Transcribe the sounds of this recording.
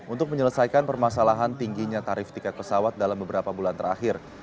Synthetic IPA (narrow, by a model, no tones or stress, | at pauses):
ʔunt̪ʊk̚məɲələsajkanpərmasalaɦant̪iŋɡiɲat̪aɾɪft̪ikat̪̚pəsawat̪̚dalambəbəɾapabulant̪əɾa̰xɪr